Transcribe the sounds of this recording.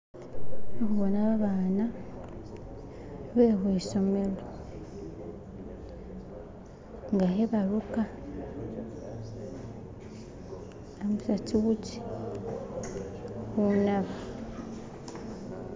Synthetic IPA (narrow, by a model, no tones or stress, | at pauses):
okuβonaβaβaːna | βeɦeiso̞me̞le | ŋɡaheβaɾuka | amusat͡siβuci̥ | hunaβa